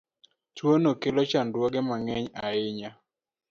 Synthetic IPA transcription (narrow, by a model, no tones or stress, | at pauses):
t͡ʃwonokelot͡ʃandwɔɡɛmaŋɛɲaɪɲa